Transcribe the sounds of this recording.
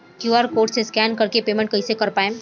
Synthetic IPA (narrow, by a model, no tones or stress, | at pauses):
kjuːaːɾkoːɾʈseskɛːnkɐɾkepeːmɛ̃ɳʈ̚kɐisekɐɾpaːẽ